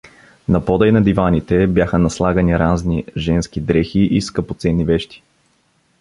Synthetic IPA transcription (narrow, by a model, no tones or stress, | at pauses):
nɐpɔd̪ɐjnɐd̪ivanit̪ɛbjaxənɐslˠaɡɐniɾazniʒɛnsk̟id̪ɾɛxiʔiskəpot̪sɛnːivɛʃt̪i̥